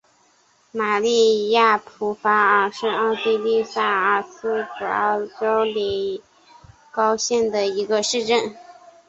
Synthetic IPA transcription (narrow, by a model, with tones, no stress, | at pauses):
ma˨˩li˥˧ja˥˩pʰu˧˥fa˧˥ə˨˩ʂɻ̩˥˧ɑ˥˩ʊt̪i˥˧li˥˧sa˥˩ə˥˧˩sɹ̩˥pu˨˩˥ʈ͡ʂo˥ʊli˨˧˩ | kɑ˥ʊɕjɛ˥˩nd̪ə˩i˧˥ɡə˧ʂɻ̩˥˧ʈ͡ʂə˥˩n